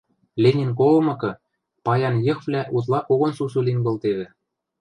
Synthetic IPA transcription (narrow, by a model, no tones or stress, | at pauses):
lʲenʲenk̬olɤ̆mɤ̆kɤ̆ | pɑjɑnjɤ̆xvlʲæʔut̪̬lˠɑʔoɣŏnsus̬ulinβɤ̆lt̪eβɘ̆